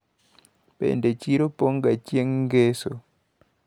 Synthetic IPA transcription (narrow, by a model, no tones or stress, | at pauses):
pɛ̰ndɛt͡ʃiɾopɔŋɡat͡ʃjeŋɡeso